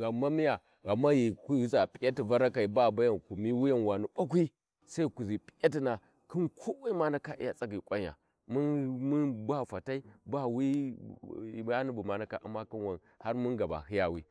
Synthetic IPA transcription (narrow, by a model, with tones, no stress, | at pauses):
ɣa˨ma˦mi˦ja˨ | ɣa˨mːa˦ji˨ku˦za˨pʼi˨ja˦ti˨va˦ɾa˦ka˨i˨ba˦˨ba˦ja˦˨nku˨mi˦wi˦ja˦nwa˨nu˨ba˦k̬ʷi˦ | sa˦i˦ku˨zi˨pʼi̥˨ja˦t̬i˨na˨ | ki˦nkʰo˦wa˦i˦ma˦na˦ka˦ʔi˦ja˨t͡sa˦ki˨kʷʼa˦ɲ˨a̰˨ | mu˦nmu˦nba˦fa˨ta˦i˦ba˦wi˦˨˦ | ja˦ni˦bu˨ma˨na˦ka˨ʔa̰˨mːa˦ki˦nwa˨n | ha˦ɾmu˦ɡa˨ba̰˨hi˦ja˨wi˦